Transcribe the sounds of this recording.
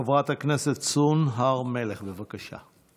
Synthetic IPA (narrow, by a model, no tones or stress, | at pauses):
avʁat̪hakneset̪sunɦaʁmeleχbevakaʃa̰